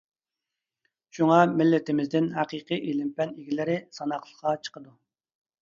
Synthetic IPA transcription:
ʃuŋɑmɪlːɪt̪ɪmɪzd̪ɪnɦæqiqijʔelɪmpɛniɡʲilɪɾɪsɑnɑqlˠə̥qɑt͡ʃʰə̥qəd̪u

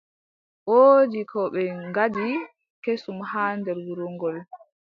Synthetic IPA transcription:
ʔoːd͡ʒikʰɔɓɛŋɡadi | kesumhaːndɛɾwuɾuŋɡɔl

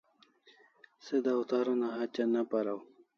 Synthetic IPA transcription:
sed̪awt̪ɑɾanaɦat͡ʃanapaɾaw

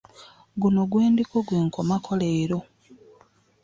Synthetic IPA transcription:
ɡuno̞ɡweːndikoɡwe̞ːŋkʰo̞makʰo̞leːɾo̞

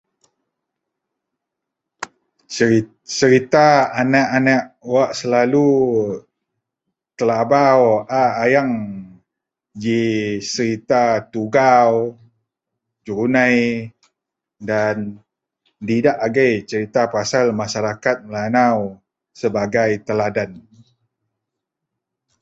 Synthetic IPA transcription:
t͡ʃəɾit̪aanaʔanaʔwaʔsəlalu | k̪əlabawaːjaŋ | d͡ʒisəɾit̪at̪uɡaw | d͡ʒuɾunaj | dan | didaʔaɡajt͡ʃəɾit̪apasalmaʃaɾakat̪̚məlanaw | səbaɡajt̪əladan

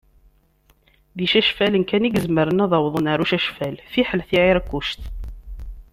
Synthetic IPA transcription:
ðiʃæʃfælənkæniɡəzməɾənɑðˤɑwðˤənaɾuʃæʃfælfiħəlθiʕiɾkːuʃt̪

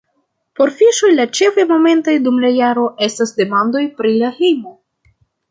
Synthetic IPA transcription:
po̞ɾfiʃo̞jlat͡ʃe̞fajmo̞me̞ntojdumlajaɾo̞ʔe̞stasde̞mando̞jpɾilahejmo̞

